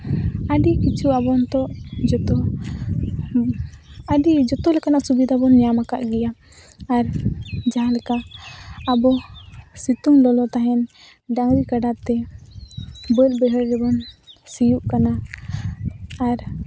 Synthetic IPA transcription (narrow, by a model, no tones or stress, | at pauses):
əɖikit͡ʃʰuabɔnt̪ɔʔd͡ʒɔt̪ɔ | əɖid͡ʒɔt̪ɔlɛkanaʔsubid̪ʱabɔnɲamaka̰ʔɡɛjaː | ɾd͡ʒaɦãlɛkaʔː | bɔsit̪uŋlɔlɔt̪aɦɛn | ɖaŋɾikaɖat̪ɛ | bəlbɛɦəɾːɛbɔnsijuʔkana | ɾ